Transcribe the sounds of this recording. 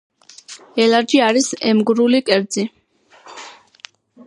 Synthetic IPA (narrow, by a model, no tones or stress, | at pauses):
ɛlaɾd͡ʒiaɾisɛmɡɾulikʼɛɾd̪zi